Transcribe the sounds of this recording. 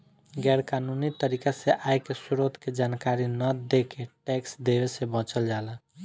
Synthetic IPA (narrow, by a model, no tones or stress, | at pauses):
ɡɛːɾkanunit̪əɾikaseʔajkesuɾot̪ked͡ʒankaɾinəd̪ekeʈeksd̪ebesebə̃t͡ʃəld͡ʒalə̃